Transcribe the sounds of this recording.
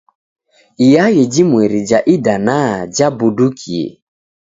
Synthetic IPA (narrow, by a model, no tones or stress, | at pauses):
ijajed͡ʒimweɾid͡ʒaʔidanad͡ʒabudukʰiḛ